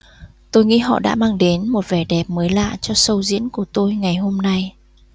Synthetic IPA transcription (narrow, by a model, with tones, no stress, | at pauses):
t̪o˧jŋḭ˧˥ɦɔ̰˧˨ɗa̰ː˧˥maː˧ŋɗe˨˦nmo˨˩t̚vɛ˨˩ɗɛ˨˩p̚məː˨˦jla̰ː˧˨t͡ɕɔ˧sə˧wzḭ˧˥ənku˧˩ət̪o˧jŋa˨˩jho˧mna˧j